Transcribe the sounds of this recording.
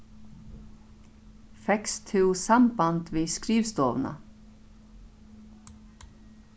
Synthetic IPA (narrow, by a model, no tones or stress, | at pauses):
fɛkst̪ʰɪwsampant̪viskɾiːvst̪ɔːʋna̰